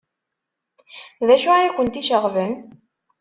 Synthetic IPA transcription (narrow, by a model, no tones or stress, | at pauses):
ðæʃuajækʷːənt̪iʃəʁvən